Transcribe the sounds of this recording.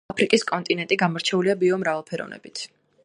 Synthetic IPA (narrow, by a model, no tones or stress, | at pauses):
pʰɾikʼiskʼɔnt̪ʼinɛnt̪ʼiɡamɔɾt͡ʃʰɛuliabiɔmɾavɛlˠpʰɛɾɔ̰vnɛ̰bit̪ʰ